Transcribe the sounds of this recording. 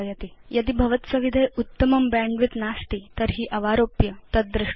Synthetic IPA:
jɐt̪ijɐd̪iːbʱɐʋət̪səʋid̪ʱejut̪ːəməmbæ̃ɳɖʋit̪nast̪iːt̪əɾɦiːʔɐʋaɾopjət̪ət̪̚d̪ɾɪ

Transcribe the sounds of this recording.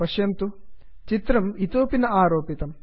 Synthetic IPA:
pɐʂjɐmt̪u | t͡ʃit̪ɾɐmit̪oːpinɐʔaːɾoːpit̪ɐm

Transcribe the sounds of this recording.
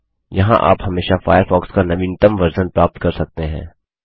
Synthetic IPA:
jɐɦã̰ʔa̰ːpɦɐmeːʃafaːjəɾfɔːkskanɐʋĩːnt̪əmʋɐɾzənpɾaːp̚t̪kɐɾsɐk̚t̪eɦɛ̰̃ː

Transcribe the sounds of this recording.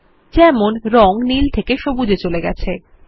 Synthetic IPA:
d͡ʑɛmonɾɔŋnilt̪ʰekeʃobud͡ʑet͡ɕoleɡɛ̰t͡ɕʰe

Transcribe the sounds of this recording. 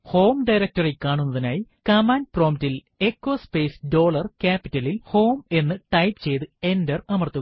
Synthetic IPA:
ho̞ːmɖɐjɾɐk̚tɐrilkaːɳunːɐðinaːjikɐmaːnpro̞ːmtil | e̞kːo̞ːspeːsɖo̞ːɭɐrkaːpitːɐlilho̞ːme̞nːɨʈɐjpt͡ɕe̞jt̪ɨe̞ndɐrɐmɐrt̪ːu

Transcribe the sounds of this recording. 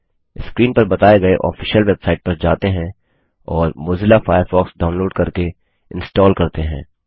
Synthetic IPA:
ɪskɾiːnpɐɾbɐt̪aːeɡɐeʔɔ̰ːfiːʃəlʋebsaːɪʈ̚pɐɾd͡ʒaːt̪eɦɛ̃ | ɔːɾmʊːzɪlafaːjəɾfɔːksɖaːʊnloːɖkɐɾke | ɪ̰̃nsʈɔːlkɐɾt̪eɦɛ̰̃ː

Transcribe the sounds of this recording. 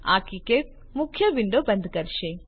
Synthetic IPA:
a̰ːkike | mukʰːjɐʋiɳɖobɐ̃nd̪ʱkɐɾʃe

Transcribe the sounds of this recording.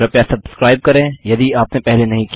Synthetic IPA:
ɾɐpjasɐbskɾaːɪb̚kɐɾẽːjɐd̪iaːpnepɛɦlenɐɦĩk

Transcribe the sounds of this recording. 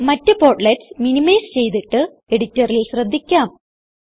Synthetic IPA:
mɐtːɨpo̞ːrʈleʈsminimɐjst͡ɕe̞jt̪iʈːɨ | e̞ɽitːɐrilɕrɐd̪ʱːikʲːaːm

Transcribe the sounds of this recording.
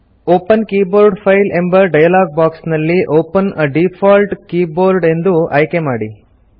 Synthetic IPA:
oːpɐnkiːboːɾɖpʰɐjlembɐɖɐjɐlaːɡ̚baːksnɐlːiʔoːpɐnɐɖipʰaːlʈkiːboːɾɖe̞nd̪uɐjkemaːɽi

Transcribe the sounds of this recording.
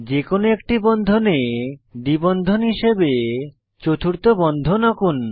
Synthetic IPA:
d͡ʑekonoekʈibɔnd̪ʱoned̪ibɔnd̪ʱonɦiʃebe | t͡ɕot̪ʰuɾt̪obɔnd̪ʱonɔkun

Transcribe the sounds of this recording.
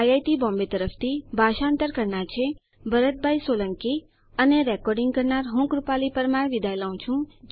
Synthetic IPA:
jajt̪ibɔ̃mbet̪əɾəft̪ʰibʱaʃaənt̪əɾkəɾɳat͡ʃʰe | bəɾət̪̚bʱajsoləŋki | əneɾɛkɔɾɖĩŋɡ̚kəɾnaɾɦũkɾupalipəɾmaɽʋid̪ʱajlaũt͡ʃʰũ

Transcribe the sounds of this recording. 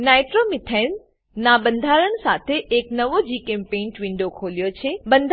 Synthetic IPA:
naːɪʈɾoːmɪt̪ʰən | naːbɐ̃nd̪ʱaːɾəñɪ̆saːt̪ʰeʔeknɐʋod͡ʑiːkẽːmpẽːnʈʋɪ̃ɳɖokʰoːlijot͡ɕʰeːbɐ̃nd̪ʱ

